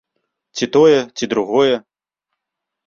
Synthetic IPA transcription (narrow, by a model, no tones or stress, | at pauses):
t͡sʲit̪ɔjɛt͡sʲid̪ɾuɣɔjɛ